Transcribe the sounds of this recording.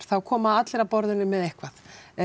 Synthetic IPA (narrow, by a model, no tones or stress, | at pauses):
ɾ̥θawkʰɔːmaat̪lɛɾapɔɾðʏnːʏmɛðehkvaθ